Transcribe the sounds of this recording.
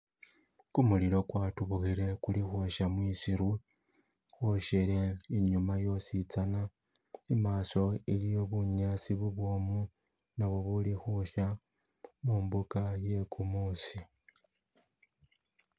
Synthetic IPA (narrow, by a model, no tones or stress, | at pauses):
kumulilo̞kwatuβuxile̞kulixwaʃamwisiɾu | xwoʃele̞iɲumajo̞sit͡sana | imaːso̞ilijo̞βuɲasiβuβwomu | naβo̞βulixuʃa | muːmbukaje̞kʰumusi